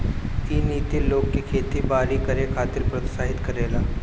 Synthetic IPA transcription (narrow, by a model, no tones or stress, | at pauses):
iniːt̪iloːɡkikʰeːt̪ibaːɾikɐɾekʰaːt̪ɪɾpɾɐt̪saːɦɪt̪kɐɾeːlaː